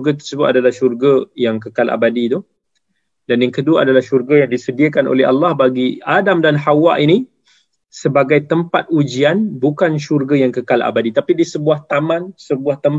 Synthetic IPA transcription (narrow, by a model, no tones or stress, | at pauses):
ɡat̪̬ərsəbʊt̪̚adalahʃurɡəjaŋkəkalʔa̰badit̪ʊh | danjaŋkəduaadalahʃurɡajaŋdisədiəkanʔo̰lɛa̰lːahbaɡiadamdanhawa̰ʔini | səbaɡajt̪əmpat̪̚ud͡ʒianbukanʃurɡajaŋkəkala̰badit̪apidisəbuaht̪amãnsəbuaht̪əm